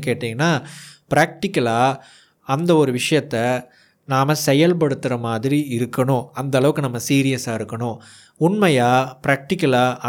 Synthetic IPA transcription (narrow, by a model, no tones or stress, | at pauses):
keːʈːĩŋɡɐnːaːpɪɾaːk̚ʈɪkːɐlaː | ɐnd̪ɐɔɾɯʋɪʂɐjɐt̪ːɐ | naːmɐsɛjɐlp̬ɐɽɯt̪ːɯɾɐmaːðɪɾiɪɾɯkːɐɳʊ̃ɐnd̪ɐlɐʋɯkːɯnɐmːɐsiːɾɪjɐsaːɪɾɯkːɐɳʊ̃ | ʊɳmɐjaːpɪɾaːk̚ʈɪkːɐlaː